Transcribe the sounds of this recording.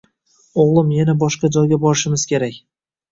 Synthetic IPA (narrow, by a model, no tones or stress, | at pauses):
oʁlˠɪmjanabɒʃqɑd͡ʒɒjɡʲabɒɾɪʃɪmɪz̥kʲʰe̞ɾakʲ